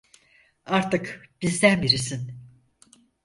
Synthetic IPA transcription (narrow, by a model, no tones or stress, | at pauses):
aɾt̪ɯkb̥izd̪ænbiɾisin